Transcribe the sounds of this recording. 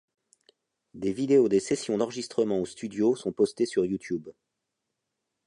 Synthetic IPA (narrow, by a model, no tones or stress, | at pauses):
d̪evid̪eod̪esɛsjɔ̃d̪ɑ̃ʁʒist̪χəmɑ̃ost̪yd̪josɔ̃pɔst̪esyʁjut̪jub